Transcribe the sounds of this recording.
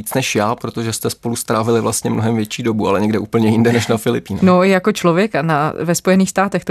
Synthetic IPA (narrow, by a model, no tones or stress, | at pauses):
iːt͡snɛʃjaːpɾot̪o̞ʒɛst̪ɛspo̞lust̪ɾaːvɪlɪvlast̪ɲɛmnoɦɛmvjɛt͡ʃiːdobualɛɲɛɡdɛʔuːpl̩ɲɛjɪndɛnɛʃnafɪlɪpiːnnojako̞t͡ʃlo̞vjɛkanavɛspo̞jɛniːxst̪aːt̪ɛxt̪o